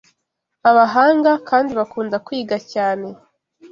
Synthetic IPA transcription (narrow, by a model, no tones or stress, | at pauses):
aβaɦaːŋɡakaːndiβakuːndakwiːɡacaːne̞